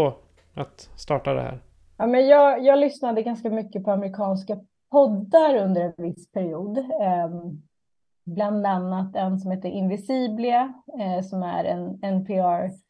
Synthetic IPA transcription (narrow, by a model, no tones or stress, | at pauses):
o | at̪st̪ɑːʈad̪ɛ̰hæ̰ːɾ | aːmɛnjɑːɡjɑːɡlʏsnad̪əɡanskamʏkːəpʰɔamɛɾɪkʰɑːnska | pʰɔd̪ːaɾɵnd̪əɾɛnvɪsːpʰæɾɪuːd̪ | bland̪anːat̪ɛnsɔmheːt̪ːəɾʔɪnvɪsiːblɪasɔmæ̰ɾɛ̰nɛnpʰɛɑɾ